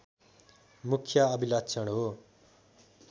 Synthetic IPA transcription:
mukʰjʌʌbʱilʌt̪sʰʌɽɦo

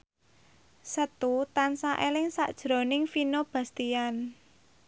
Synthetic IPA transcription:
sət̪ut̪ansaʔelɪŋsa̰ʔd̥ʒ̥ɾo̤nɪŋfinob̥a̤st̪ian

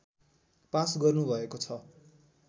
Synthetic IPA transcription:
pãsɡʌrnubʱʌekot͡sʰʌ

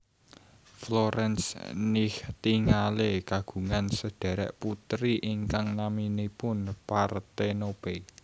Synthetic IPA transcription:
floɾɛnsniht̪iŋalekaɡ̥ṳŋansəɖ̥a̤ɾɛ̰ʔput̪ɾiʔiŋkaŋnaminepʊnpart̪enobe

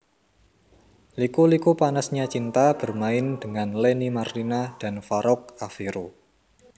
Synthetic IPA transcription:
likulikupanəsɲat͡ʃint̪ab̥ərmaɪndəŋanlenimartinad̥a̤nfaɾɔk̚afiɾo

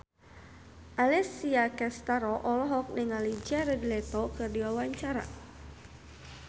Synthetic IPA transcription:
ʔalɛsiakɛst̪aɾɔʔɔlɔɦɔk̚niŋalid͡ʒaɾɛdlɛt̪ɔkɨrdiwawaɲt͡ʃaɾa̰

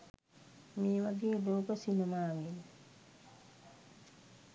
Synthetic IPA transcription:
meːʋaɡeːloːkəsinemaːʋen

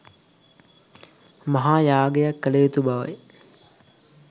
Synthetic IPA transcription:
mɐɦaːjaːɡejakːəlejot̪ubaʋə̰j

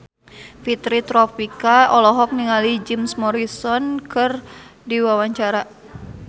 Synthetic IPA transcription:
fit̪ɾit̪ɾɔpikaɔlɔɦɔk̚niŋalid͡ʒimsmɔɾisɔnkɨrdiwawaɲt͡ʃaɾa

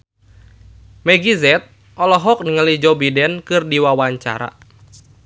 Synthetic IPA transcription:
mɛɡizɛt̪̚ | ʔɔlɔɦɔk̚niŋəlid͡ʒɔbidɛnkɨrdiwawaɲt͡ʃa̰ɾa̰

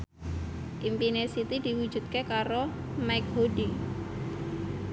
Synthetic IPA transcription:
ʔimpinesit̪id̪̥i̤wu̥ʒ̥ṳt̪̚kekaɾo | maɪk̚hoɖi

